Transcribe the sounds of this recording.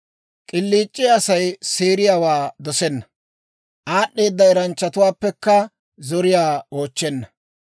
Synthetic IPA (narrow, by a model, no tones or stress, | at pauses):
kʼɪlːiːt͡ʃʼːɪɐsɐjsiːɾɪjawaːd̪ɔsɛnːɐ | ʔaːɗːeːd̪ːɐɛɾɐnt͡ʃːɐt̪ʊwaːpːɛkːɐ | zɔɾɪjaːo̞ːt͡ʃːɛnːɐ